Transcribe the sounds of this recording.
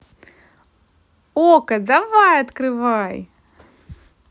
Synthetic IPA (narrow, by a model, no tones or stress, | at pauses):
okɐd̪ɐvajɐt̪kɾɨvaj